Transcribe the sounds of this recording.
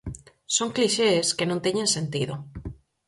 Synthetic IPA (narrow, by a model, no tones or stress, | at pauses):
soŋkliʃeːskenõnt̪eɲẽnsent̪iðo